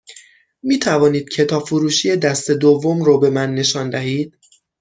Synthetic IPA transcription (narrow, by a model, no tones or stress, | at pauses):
miːt̪ʰævɒːniːd̪̥̚cʰe̞t̪ʰɒːfuɾuːʃiːed̪æst̪e̞d̪ovːomɾobe̞mænːe̞ʃɒːnd̪æɦiːd̪̥̚